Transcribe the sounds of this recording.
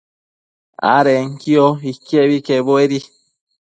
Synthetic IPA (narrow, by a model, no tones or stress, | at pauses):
a̰ɾeŋkioikeβikeβoeɾi